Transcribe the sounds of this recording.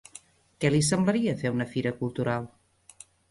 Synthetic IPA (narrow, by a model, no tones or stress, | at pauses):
kɛlis̬əmbləɾiəfeunəfiɾəkulˠt̪uɾalˠ